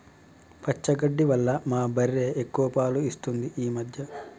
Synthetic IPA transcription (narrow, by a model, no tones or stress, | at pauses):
pʰɐt͡ʃːɐɡɐɖːiʋɐlːɐmaːbɐɾːe̞ːʔekːuʋɐpaːluist̪und̪iʔiːmɐd̪ʱjɐ